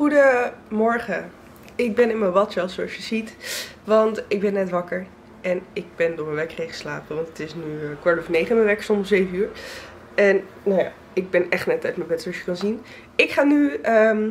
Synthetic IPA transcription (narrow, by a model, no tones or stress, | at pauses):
χudəmɔɹχə | ɪɡ̚bɛnɪnməʋɑtɛlˠsoɑsjəzitʋɑntɪɡ̚bɛnːɛtʋɑkəɹ | ɛnɪɡ̚bɛndʊɹməʋɛkrejχə̥slaːpəʋɑntətɪsnykʋɑɹtɔfnejχəməʋɛksɔmmszejfənyːɹ | ɛn | nawja̰ː | ɪɡ̚bɛnɛχtnɛtɛɥtməbɛtɔʃjə̥kɑnzin | ɪkχaːnyəm